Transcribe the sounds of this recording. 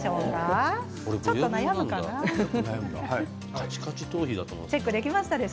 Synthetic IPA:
ɕoːka | oɾeboːonajammɯ̟kananajamɯɡa̰ha | kʰat͡ɕi̥kat͡ɕit̪oːçid̪at̪omo̰t͡ɕe̞kːɯd̪e̞kʲimaɕi̥t̪ad̪es

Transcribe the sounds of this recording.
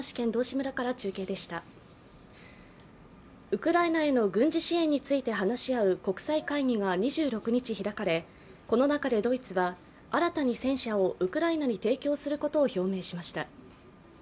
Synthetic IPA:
ɕi̥kẽ̞nd̪o̞ːɕimɯ̟ɾakaɾat͡ɕɨːke̞ːd̪e̞ɕi̥t̪a | ɯ̟kɯ̟ɾainae̞no̞ɡɯ̟̃ɲ̟d͡ʑiɕiẽɲ̟ːit͡sɨit̪e̞ɦanaɕiaɯ̟ko̞kɯ̟̥saikaiɲ̟ʲiɡaɲ̟iʑɨːɾo̞kɯ̟ɲ̟it͡ɕiçiɾakaɾe̞ | ko̞no̞nakad̪e̞d̪o̞it͡sɨβa | aɾat̪aɲ̟isẽ̞ɰ̃ɕao̞ʔɯ̟kɯ̟ɾainaɲ̟it̪e̞ːkʲo̞ːsɨɾɯ̟ko̞t̪o̞ːço̞ːme̞ːɕimaɕi̥t̪a

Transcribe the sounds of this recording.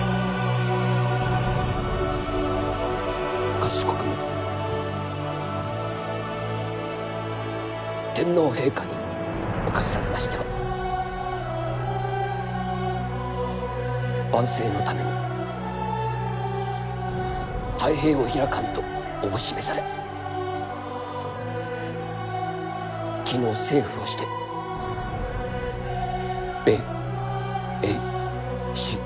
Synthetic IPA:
kasɕi̥kokɯ̟mo | t̪ẽ̞nːo̞ːɦe̞ːkaɲ̟i | okaseɾaɾe̞maɕi̥t̪emo | b̥ãɰ̃se̞ːno̞t̪ame̞ɲʲi | t̪aiɦe̞ːoçiɾakãnt̪o̞ː | boɕime̞saɾe | kʲino̞ːse̞ːɸɯ̟o̞ɕi̥t̪e̞ | be̞ː | e | ɕi

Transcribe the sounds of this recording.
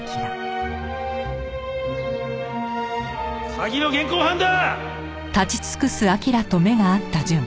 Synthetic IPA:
saɡʲino̞ɡẽ̞ŋkoːɦãnd̪a | t̪at͡ɕi̥t͡sɨ̥kɯ̟sɨakʲiɾat̪o̞me̞ɡaːt̪ːad͡ʑɨ̃ŋ

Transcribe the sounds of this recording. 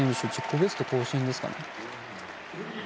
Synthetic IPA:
ĩɲɕɨt͡ɕikːɯbet͡sɨ̥t̪oko̞ːɕĩnd̪e̞sɨ̥ka̰ne

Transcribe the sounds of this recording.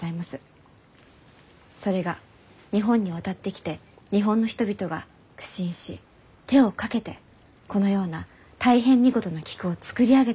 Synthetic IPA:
aimasɨ̥ | so̞ɾe̞ɡa | ɲ̟iɦõ̞ɲ̟ːiβ̞at̪at̪ːe̞kʲi̥t̪e̞ɲ̟iɦõ̞nːo̞çʲi̥t̪o̞bʲit̪o̞ɡa | kɯ̟̥ɕĩɰ̃ɕi | t̪e̞o̞kake̞t̪e̞ | ko̞no̞jo̞ːna | t̪aiɦẽ̞ɲ̟ːiɡo̞t̪o̞no̞kʲi̥kɯ̟o̞t͡sɨ̥kɯ̟ɾʲiaɡe̞

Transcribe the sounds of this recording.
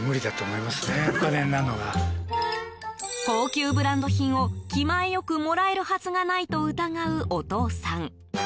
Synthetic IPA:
mɯ̟ɾʲid̪at̪oːmo̞imasɨneokanẽnːanoɡa | t̪o̞ːkʲɨːbɯ̟ɾãnd̪o̞çĩɰ̃o̞kʲimaejo̞kɯ̟mo̞ɾae̞ɾɯ̟hat͡sɨɡanait̪o̞ɯ̟t̪aɡaɯ̟ʔot̪o̞ːsãŋ

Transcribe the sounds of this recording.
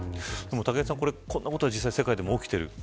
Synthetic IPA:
d̪̥e̞mot̪akesãŋko̞ɾe̞kʰõ̞nːako̞t̪o̞ad͡ʑis̬ːaisekaid̪e̞mo̞okʲi̥t̪e̞ɾɯ̟̰

